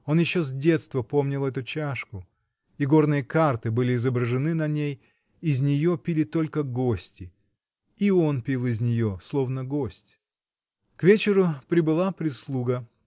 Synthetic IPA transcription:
o̞njɪɕːo̞zʲdʲe̞t̪st̪vəpo̞mnʲɪlˠɛt̪ʊt͡ɕaʂkʊ | iɡo̞rnɨjəkart̪ɨbɨlʲɪːzəbɾəʐɨnɨnɐnʲej | ɪzʲnʲɪjo̞pʲilʲɪt̪o̞lʲkəɡo̞sʲtʲɪ | io̞npʲilˠɪzʲnʲɪjo̞slˠo̞vnəɡo̞sʲtʲ | kvʲet͡ɕɪɾʊpɾʲɪbɨlˠapɾʲɪslˠuɡə

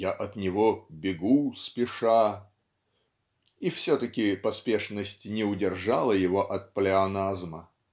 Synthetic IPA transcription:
jaʔɐt̪nʲɪvobʲɪɡuspʲɪʂa | ifsʲot̪əkʲɪpɐspʲe̞ʂnəsʲtʲnʲɪʊdʲɪrʐalˠəjɪvoʔɐt̪̚plʲɪɐnazmə

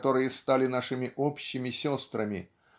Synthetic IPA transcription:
t̪oɾɨjɛst̪alʲɪnaʂɨmʲɪʔɔpɕːɪmʲɪsʲɔst̪ɾɐmʲɪ̰

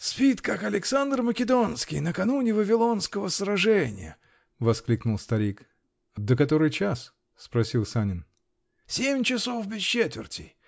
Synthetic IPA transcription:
spʲit̪kakɐlʲɪksand̪rməkʲɪd̪o̞nskʲɪjnəkɐnunʲɪvəvʲɪlˠo̞nskəvəsɾɐʐɛnʲɪ̰jə̰ | vɐsklʲiknʊlˠst̪ɐɾʲik | d̪əkɐt̪oɾɨjt͡ɕas | spɾɐsʲilˠsanʲɪn | sʲemʲt͡ɕɪsofbʲɪst͡ɕet̪vʲɪ̰rtʲɪ̰j

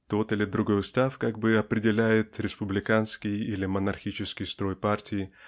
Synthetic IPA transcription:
t̪o̞t̪ɨlʲɪd̪ɾʊɡo̞jʊst̪afkaɡ̚bɨɐpɾʲɪdʲɪlʲæjɪt̪ɾʲɪspʊblʲɪkanskʲɪjilʲɪmənɐrxʲit͡ɕɪskʲɪjst̪ɾo̞jpartʲɪɪ

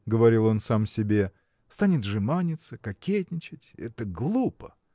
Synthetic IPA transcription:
ɡəvɐɾʲilˠo̞nsamsʲɪbʲe̞ | st̪anʲɪt̪ʐɨmanʲɪt̪səkɐkʲetʲnʲɪt͡ɕɪtʲɛ̰t̪əɡlˠupə

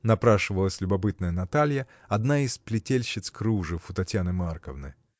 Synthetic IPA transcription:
nɐpɾaʂɨvəlˠəsʲlʲʊbɐpɨt̪̚nəjənɐt̪alʲjə | ɐd̪naisplʲɪtʲelʲɕːɪt̪skɾuʐɨfʊt̪ɐtʲjanɨmarkəvnɨ̰

